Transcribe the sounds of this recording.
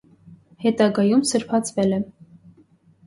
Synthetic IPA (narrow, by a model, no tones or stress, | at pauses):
hɛt̪ɑɡɑjumsəɾpʰɑt͡sʰvɛlɛ